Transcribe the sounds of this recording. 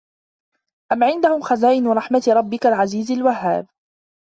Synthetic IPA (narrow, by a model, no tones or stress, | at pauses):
ʔamʕɪnd̪ahʊmxazaːʔɪnɾˤɑħmat̪ɾˤɑbːɪkalʕaziːzalwahːa̰ːb̚